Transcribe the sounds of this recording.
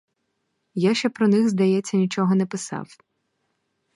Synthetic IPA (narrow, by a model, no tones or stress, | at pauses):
jaʃt͡ʃɛpɾɔnɪxzd̪ɐjɛt͡sʲːɐnʲit͡ʃɔɦɔnɛpɪsɑ̰w